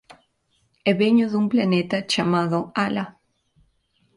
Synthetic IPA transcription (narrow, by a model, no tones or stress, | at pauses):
ɛβeɲʊðũmplanet̪ɐt͡ʃamaðʊala